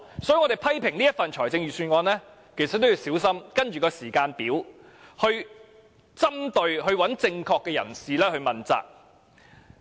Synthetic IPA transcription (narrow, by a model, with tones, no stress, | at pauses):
sɔ˨˥jːŋɔː˨˧ɾe˨˩jpʰɐ˥jpʰɪ˨˩ŋliː˥ɐ˥tfɐ˨nt͡ʃʰɔː˨˩jt͡sɪ˧ŋjyː˨syː˧nŋɔː˧nlɛː˥ | kʰe˨˩sɐ˨t̪ːji˧wsiː˨˥wsɐ˥mkɐ˥nt͡ʃyː˨kɔː˧siː˨˩kaː˧npiː˨˥w | hɵ˧ɥ | t͡sɐ˥mt̪ɵ˧ɥɦɵ˧ɥwɐ˨˥nt͡sɪ˧ŋkʰɔː˧kːɛː˧jɐ̰˨˩nsiː˨lɛː˥hɵ˧ɥmɐ˨nt͡sa̰ː˨k̚